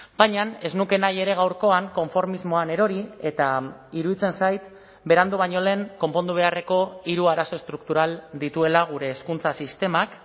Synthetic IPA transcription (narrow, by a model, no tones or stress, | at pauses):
b̥ajɲane̞znuke̞naje̞ɾe̞ɣawɾko̞aŋko̞ɱfo̞ɾmizmo̞ane̞ɾo̞ɾie̞t̪aiɾuðit͡se̞nsajt̪ | be̞ɾand̪uβ̞aɲo̞le̞ːŋko̞mpo̞nd̪uβe̞are̞ko̞iɾuaɾaso̞e̞st̪ɾukt̪uɾald̪it̪ue̞laɣ̞uɾe̞ːskunt͡sasist̪e̞mak